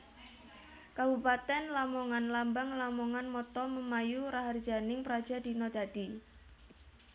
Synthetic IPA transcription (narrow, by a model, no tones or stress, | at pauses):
kabupat̪ɛnlamɔŋanlambaŋlamɔŋanmɔt̪ɔməmajuɾaɦardd͡ʒanɪŋpəɾḁd͡ʒa̤d̪i̤nɔd̪̥a̤d̥i